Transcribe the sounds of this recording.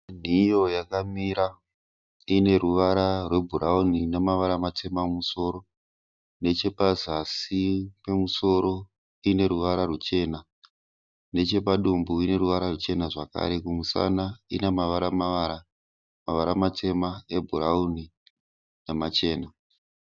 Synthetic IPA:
n̤ijo̞jakamiɾa | ine̞ruʋaɾarwe̞bʱuɾauninemaʋaɾamatʰe̞mamuso̞ːɾo̞ | ne̞t͡ʃe̞pazasipemuso̞ɾo̞ | ine̞ɾuʋaɾarwut͡ʃe̞ːna | ne̞t͡ʃe̞paɗumbuine̞ɾuʋaɾarut͡ʃe̞naʐaka̰ɾe̞kumusa̰naḭnemaʋaɾamaʋaɾa | maʋaɾamatʰe̞mae̞bʱuɾauni | nemat͡ʃe̞ːna

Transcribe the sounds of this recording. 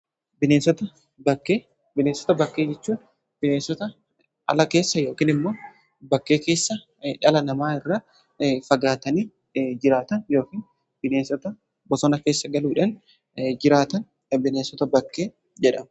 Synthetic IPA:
bɪneːsɔt̪ɐ | bɐkːeː | bɪneːsɔ̥t̪ɐbɐkːe̞ːd͡ʒɛt͡ʃːuː | b̥ɪneːsɔt̪ɐ | ʔɐ̰lɐke̞ːsːɐjo̞ːkiːnɪmːoː | bɐkːe̞ːke̞ːsːɐ | ᶑɐlɐnɐmaːɪrːaː | fɐɡaːt̪ɐniː | d͡ʒɪɾaːt̪ɐnjo̞ːkiːn | b̥ɪneːsɔt̪ɐ | bɔsɔnɐkeːsːɐɡɐluːᶑɐn | d͡ʒɪɾaːt̪ɐn | bɪneːsɔt̪ɐbɐkːe̞ː | d͡ʒɛᶑɐm

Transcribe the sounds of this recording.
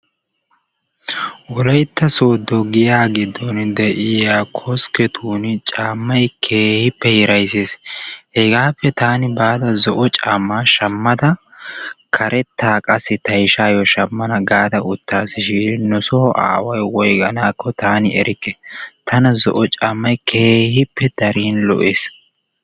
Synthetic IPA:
ʔɔlɐjt̪ːɐsoːd̪ːɔɡɪjaːɡɪd̪ːɔnd̪ɛʔɪjaːkʰɔskɛt̪ʰuːnt͡ʃʼaːmːɐjkʰeːhɪpːɛhɛɾɐjseːshɛɡaːpːɛt̪aːnɪbaːd̪ɐzɔʔɔt͡ʃʼaːmːaːʃɐmːɐd̪ɐ | kʰɐɾʔɛt̪ʰːaːkʼɐsːɪt̪ɐjʃaːjɔʃɐmːɐnɐɡaːd̪ɐʊt̪ːaːsɪʃiːnɔsɔʔa̰ːwɐjwɔjɡɐ̰naːkːɔt̪aːnɪɛ̰ɾʔɪkːɛt̪ʰɐnɐzɔʔɔt͡ʃʼaːmːɐjkʰeːhɪpːɛd̪̥ɐɾiːnlɔ̰ʔeːs

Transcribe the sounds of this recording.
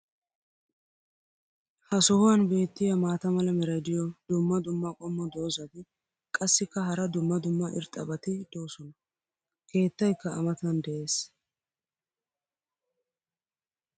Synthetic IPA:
hɐsɔhʊwɐnbe̞ːt̪ːɪjɐmaːt̪ɐmɐlɐmɛɾɐjd̪ɪjɔd̪ʊmːɐd̪ʊmːɐkʼɔmːɔd̪o̞ːzɐd̪ɪ | kʼɐsːɪkːɐɦɐɾɐd̪ʊmːɐd̪ʊmːɐʔɪ̰ɾt̪ʼːɐbɐt̪ɪd̪̥o̞ːsɔnɐ | ke̞ːt̪ːɐjkːɐːmɐt̪ɐnd̪ɛʔe̞ːs

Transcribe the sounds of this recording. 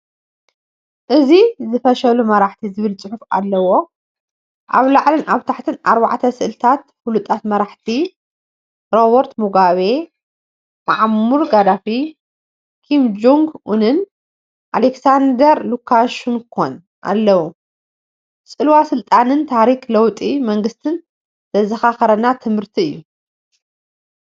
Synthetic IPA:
ʔɨzizɨfɐʃɐlumɐɾaħt̪ʰizɨβɨlt͡sʼɨħufa̰lːɐwo̞ | ʔa̰βlaʕlɨnʔaβt̪ʰaħt̪ʰɨnaɾbaʕt̪ʰɐsɨʔɨlɨt̪ʰat̪̚fulut̪ʼat̪mɐɾaħt̪ʰi | ɾoβoɾt̪muɡaβe̞ | maʕmuɾɡad̪afi | kʰimd͡ʒuŋɡunɨn | ʔaleksand̪ɐɾlukʰːaʃunkʰo̰n | ʔa̰lːɐwu | sʼɨlwasɨlt̪ʼanɨnt̪ʰaɾiklɐwt̪ʼimɐŋɡɨst̪ʰɨn | t̪ʰɐzɐxaxɐɾɐnat̪ʰɨmhɨɾt̪ʰiɨ̰jːu

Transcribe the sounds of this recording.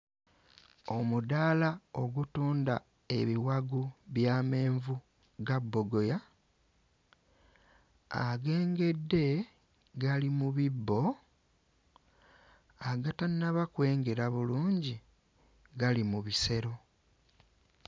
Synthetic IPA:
o̞mudalao̞ɡutuːnda | e̞βiwaɡuβjame̞ːɱvu | ɡabːo̞ɡo̞ja | a̰ɡe̞ːŋɡe̞dːe̞ | ɡalimuβibːo̞ | aɡatannaβakwe̞ːŋɡe̞ɾaβuluːɲɟi | ɡalimuβise̞ɾo̞

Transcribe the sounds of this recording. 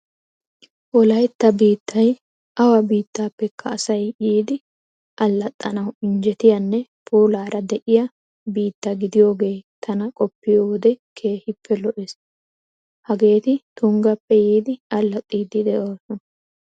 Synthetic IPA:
wɔlɐjt̪ːɐbiːt̪ʰːɐj | ʔɐwɐbiːt̪ːaːpːɛkʰːɐːsɐjjiːd̪ɪ | ʔɐlːɐt̪ʼːɐnɐwɪnd͡ʒɛt̪ɪjɐnːɛpʰuːlaːɾʔɐd̪ɛʔɪjɐ | biːt̪ːɐɡɪd̪ɪjo̞ːɡe̞ːt̪ʰɐnɐkʼɔpːɪjoːd̪ɛkʰe̞ːhɪpʰːɛlɔʔɛs | hɐɡe̞ːt̪ɪt̪ʊŋɡɐpːɛjiːd̪ɪɐlːɐt̪ʼːiːd̪ɪd̪ɛʔoːsɔnɐ

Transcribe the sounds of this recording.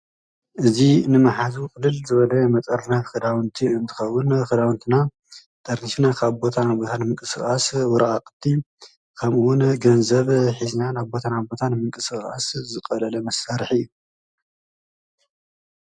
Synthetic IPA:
ʔɨzinɨmɐħazukʼɨlɨlzɨβɐlɐmɐt̪ʼɐɾnɐβxɨd̪awɨnt̪ʰiɨnt̪ʰɨ̥xɐwːʊnxɨd̪awɨnt̪ʰina | t̪ʼɐɾniʃnakʰaβbo̞t̪ʰanabo̞t̪ʰanɨmɨŋkʼɨsɨxʼaswʊɾaakʼt̪ʰːi | kʰɐmuwʊnɡɐnzɐβħiznanaβbo̞t̪ʰanabo̞t̪ʰanmɨŋkʼɨsɨxʼa̰szɨkʼɐlɐlɐmɐsːaɾħɨjːu

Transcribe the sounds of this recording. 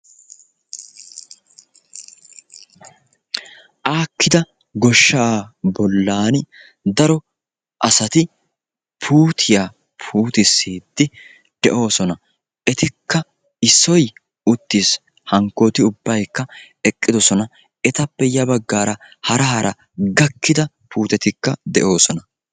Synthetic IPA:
ʔaːkːɪd̪ɐ | ɡɔʃːaːbɔlːaːn | d̪ɐɾɔ | ʔɐsɐt̪ɪ | pʰuːt̪ʰɪja | pʰuːt̪ɪsːiːd̪ːɪ | d̪̥ɛʔo̞ːsɔnɐ | ʔɛt̪ɪkːɐ | ɪsːɔj | ʊt̪ːiːs | hɐŋkːo̞ːt̪ɪʊbːɐjkːɐ | ɛkʼːɪd̪ɔsɔnɐ | ɛt̪ɐpːɛjɐbɐɡːaːɾɐ | hɐɾɐhɐɾʔɐ | ɡɐkːɪd̪ɐ | pʰuːt̪ɛt̪ɪkːɐd̪ɛ̰ʔo̞ːsɔnɐ

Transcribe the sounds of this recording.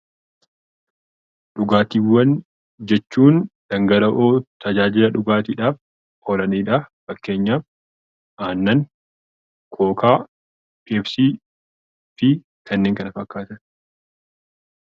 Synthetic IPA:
ᶑʊɡaːt̪iːwːɐn | d͡ʒɛt͡ʃːuːnd̪̥ɐŋɡɐlɐʔoːt̪ʰɐd͡ʒaːd͡ʒɪlɐᶑʊɡaːt̪iːᶑaːf | ɔlɐniːᶑaːfɐkːe̞ːɲːaːf | ʔaːnːɐŋ | kʰo̞ːkʰaː | pːfsiː | fɪ | kʰɐnːeːŋkɐnɐfɐkːaːt̪ɐ

